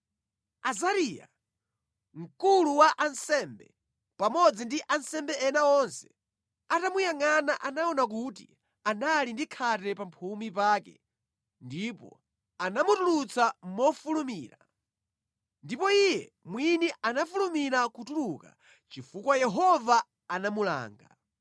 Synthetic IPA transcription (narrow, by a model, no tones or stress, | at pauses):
azaɾiːja̰ | ŋ̩kuluwaʔansɛmbɛ̰ | pamɔd͡zindiʔansɛmbɛɛnaɔnsɛ̥ | atamujaŋanaʔanaɔnak̬utḭ | analindikʰatɛpampʰumip̬aːkɛ̰ | ndipɔ̰ | anamutulut͡samɔfulumiːɾa | ndipɔijɛ | mwinianafulumiɾakutuluka̰ | t͡ʃifukwajɛɦɔvaː | namula̰ːŋɡa̰